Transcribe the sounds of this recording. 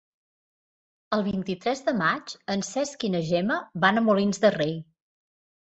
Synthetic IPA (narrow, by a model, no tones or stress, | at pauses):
əlˠβ̞int̪it̪ɾɛzðəmat͡ʃənsɛskinəʒɛməβanəmulinzðərej